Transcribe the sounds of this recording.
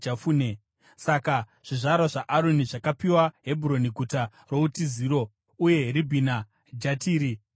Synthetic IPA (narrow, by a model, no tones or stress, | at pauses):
afuːne | saka | ʐ̥iʐaɾaʐaʔaɾoniʐakapiwaɦe̞buɾo̞niɡʱuta | ro̞utiziːɾo̞ | uje̞ribʱina | d͡ʒatiːɾi